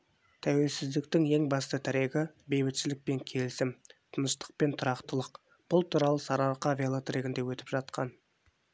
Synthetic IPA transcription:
t̪ʰæwe̞lsɪzd̪ɪkt̪ɪŋe̞ŋbɑst̪ət̪ʰæɾe̞ɡʲɪbe̞jbɪt̪ʃɪlɪk̚pe̞ŋkʲʰe̞lɪsɪmt̪ʰənəʃt̪ə̥q̚pe̞nt̪ʰʊɾɑqt̪əlˠəq | b̥ʊlˠt̪ʰuɾɑlˠəsɑɾɑɾqɑvʲelˠot̪ɾeɡʲɪnd̪e̞wɵt̪ɪ̥pʒɑt̪̚qɑn

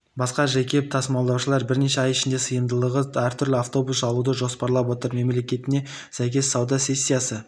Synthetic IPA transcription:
bɑsqɑʒæjkʲʰe̞p̚t̪ʰɑsmɑlˠd̪ɑwʃəlˠɑɾbɪɾne̞ʃe̞ɑjɪʃɪnd̪e̞səjənd̪əlˠəʁəæɾt̪ʰʏɾlɪaft̪o̞busɑlˠud̪əʒo̞spɑɾlˠɑp̬wo̞t̪əɾme̞mle̞kʲe̞t̪ɪne | sæjkʲe̞sɑwd̪ɑsʲe̞sʲːijasə

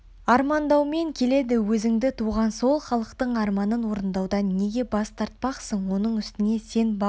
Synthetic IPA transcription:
ɑɾmɑnd̪ɑwme̞ŋkʲʰe̞le̞d̪ɪwɵzɪŋd̪ɪt̪ʰuʁɑnso̞lˠχɑlˠəqt̪əɴɑɾmɑnənwo̞ɾənd̪ɑwd̪ɑnːe̞ɡʲe̞bɑst̪ʰɑɾt̪̚pɑqsəɴwo̞nəɴʏst̪ɪne̞se̞nb

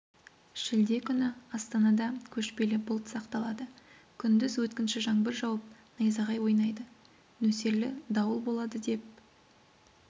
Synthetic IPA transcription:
ʒ̥ɪld̪e̞kʲʰʏnɪɑst̪ɑnɑd̪ɑkʲʰɵʃpe̞lɪbʊlˠt̪sɑqt̪ɑlˠɑd̪ə | kʲʰʏnd̪ɪzwɵt̪kʲɪnʃɪʒɑŋbɪɾʒɑwɑp̚nɑjzɑʁɑjwo̞jnɑjd̪ə | nɵse̞ɾlɪ̰d̪ɑwəlˠbo̞lˠɑd̪əd̪e̞p̚

